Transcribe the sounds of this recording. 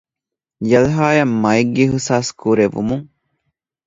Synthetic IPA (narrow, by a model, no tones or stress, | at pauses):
jɐlɦaːjɐmːɐeɡːeɦusaːskuɾeʋṵmuŋ